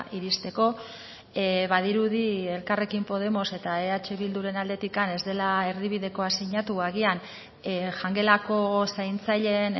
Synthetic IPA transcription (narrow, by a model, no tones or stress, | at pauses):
ʔiɾist̪e̞ko̞ | βað̞iɾuð̞ie̞lkare̞kimpo̞ð̞e̞mo̞se̞t̪aeat͡ʃe̞βild̪uɾe̞nald̪e̞t̪ikane̞zd̪e̞lae̞ɾðiβ̞iðe̞ko̞asiɲat̪uaɣ̞ian | ʝaŋɡe̞lako̞sajnt͡saʎen